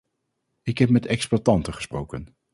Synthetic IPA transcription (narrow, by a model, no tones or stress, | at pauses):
ɪkɦɛp̚mɛtɛksplatɑntəχə̥sprowkən